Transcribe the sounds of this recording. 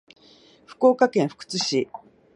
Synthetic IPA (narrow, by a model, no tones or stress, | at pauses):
ɸɯ̟̥ko̞ːkakẽ̞ɰ̃ɸɯ̥kɯ̥t͡sɨɕi